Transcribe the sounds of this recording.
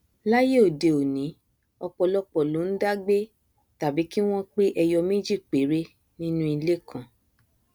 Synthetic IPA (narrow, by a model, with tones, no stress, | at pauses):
la˦je˦o˨de˨o˨nĩ˨˦ | ɔ˧k͡pɔ˧lɔ˦k͡pɔ˨lo˨˦n̩˦da˦ɡ͡be˦ | ta˨bi˨˦ki˦w̃ɔ̃˦k͡pe˦ʔɛ˧jɔ˧mẽ˦d͡ʒi˦˨k͡pe˨˦ɾe˦ | nĩ˦nũ˦i˧le˦kʰã˨